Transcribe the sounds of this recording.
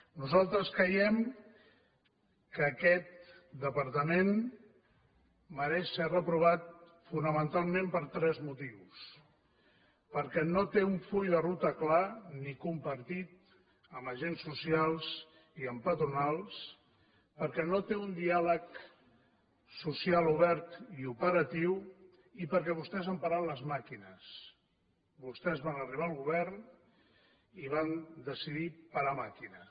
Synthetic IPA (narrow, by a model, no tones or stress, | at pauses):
nuzalˠt̪ɾəskɾəjɛm | kəːkɛt̪̚d̪əpəɾt̪əmen | məɾɛʃsɛrəpɾuβ̞at̪̚ | funəmənt̪alˠmempəɾt̪ɾɛzmut̪iws | pəɾkɛnot̪euɱfuʎðərut̪əklanikumpəɾt̪it̪̚ | əməʒensːusialˠz | iəmpət̪ɾunalˠs | pəɾkɛnot̪eund̪ialək | susialˠuβ̞ɛɾt̪iupəɾət̪iw | ipəɾkɛβ̞ust̪ɛzβampaɾaləzmakinəs | bust̪ɛzβanəriβ̞aəlˠɣuβ̞ɛɾn | iβ̞and̪əsiðipaɾamakinə